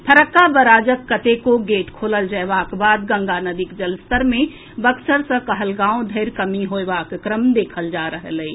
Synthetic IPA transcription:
pʰəɾəkːabəɾaːd͡ʒəkːət̪ekoɡeːʈkʰoːləld͡ʒəɛbakbaːd̪ɡə̃ŋɡanəd̪ikd͡ʒəlst̪əɾmẽ | bəksəɾsə̃kəɦəlɡãːõd̪ʱəɪɾkəmiɦoebakkɾəmd̪eːkʰəld͡ʒaɾəɦələi

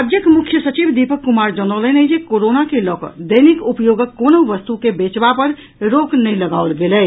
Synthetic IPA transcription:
d͡ʒ̪jəkmʊkʰjəsət͡ʃibd̪ipəkːumaːɾd͡ʒɔnɔːlənəd͡ʒekoːɾoːnakelɔːkə̰d̪əɪnikupjoːɡəkːoːnoʋəst̪ukebeːt͡ʃbapəɾ | ɾoːknɐɦĩləɡaolɡeleː

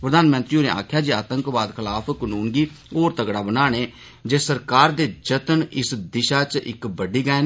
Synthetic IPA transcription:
pɾəd̪aːnmə̃nt̪ɾiːoːnḛːa̰ːkʰjaːd͡ʒiːa̰ːt̪əŋkʋaːd̪kʰɪlaːpʰkənuːnɡiːoːɾt̪əɡɽaːbənaːɽeː | d͡ʒeːsəɾkaːɾd̪eːd͡ʒət̪ənɪsd̪ɪʃaːt͡ʃɪ̰kbəɖiːɡaːen

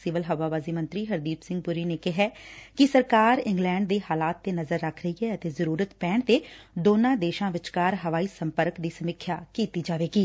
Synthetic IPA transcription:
sɪʋəlɦəʋaːbaːziːmə̃nt̪ɾiːɦəɾd̪iːpsɪ̃ŋɡ̚pʊɾiːneːkɪɦɛːkɪsəɾkaːɾɪŋɡlɛ̃ːɳɖ̚d̪eːɦaːlaːt̪ːeːnəzəɾːəkʰɾəiːɦɛːət̪eːzəɾuːɾət̪pɛːɳt̪eːd̪oːnãːd̪eːʃãːʋɪt͡ʃkaːɾɦəʋaːiːsəmpəɾkd̪iːsəmɪkʰːjaːkiːt̪iːd͡ʒaːʋeːɡiː

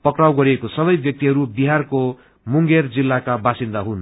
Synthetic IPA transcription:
pʌkɾawɡʌɾiekosʌβʌjbjʌk̚t̪iɦʌɾubiɦarko | muŋɡerd͡zilːakabasind̪aɦun

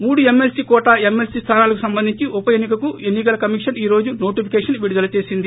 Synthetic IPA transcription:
muːɽue̞mːe̞lsikɔːʈaːemːe̞lsiːst̪ʰaːnaːlɐkusɐmbɐnd̪ʱiɲt͡ʃiupɐjenːikɐkue̞nːikɐlɐkɐmikʂɐniːɾo̞ːd͡ʒunoːʈipʰikeːʂɐnʋiɽud̪ɐlɐt͡ʃe̞ːsind̪i

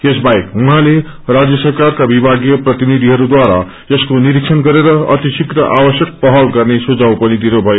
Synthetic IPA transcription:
esbajkuɦãle | rad͡zjʌsʌrkarkabibʱaɡjʌprʌt̪inid̪ʱiɦʌɾud̪waɾa̰ | ʌskoniɾiksʰʌnɡʌɾeɾʌʌ̰t̪isikrʌʔabʌsjʌk̚pʌɦʌlɡʌrnesud͡zawpʌnid̪inobʱʌjo

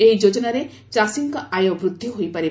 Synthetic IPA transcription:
ejd͡ʒod͡ʒɔnaɾe | t͡ʃasiŋkɔaj̃õbɾud̪ʱːiɦojpaɾi

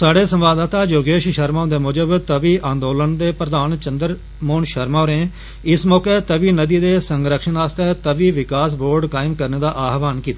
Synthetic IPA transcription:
saːɖeːsəmʋaːd̪aːt̪aːd͡ʒoːɡeːʃʃəɾmãːnd̪eːmʊd͡ʒəbt̪əʋiːʔãːnd̪oːlənd̪eːpɾəd̪aːnt͡ʃənd̪əɾ | moːnʃəɾmaːɾẽː | ɪsmɔːkeːt̪əʋiːnəd̪iːd̪eːsəŋɡɾəkʃənaːst̪ɛːt̪əʋiːʋɪkaːsboːɾɖkaːɪmkəɾneːd̪aːʔaːɦʋaːnkiːt̪aː

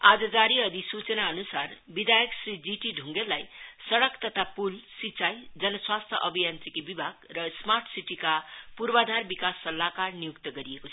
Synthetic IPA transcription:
ad͡zʌd͡zaɾiʌd̪ʱisut͡sʌnaʌnusarbid̪ʱajʌksɾid͡ziʈiɖʱuŋɡelajsʌɽʌkt̪ʌt̪ʰapulsit͡sajd͡zʌnʌswast̪ʰjʌʔʌbʱijant͡sikibibʱaɡrʌsmarʈʰsiʈikapuɾbad̪ʱarbikasːʌlːakarnijukt̪ʌɡʌɾiekot͡sʰ

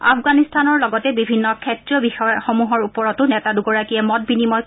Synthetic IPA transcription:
a̰pɡanistʰanɔɹlɔɡɔtɛbibʱinːɔkʰɛtɹiɔbixɔjɔxomuɦɔɹupɔɹɔtʊnɛtaduɡɔɹakiɛmɔt̚binimɔj

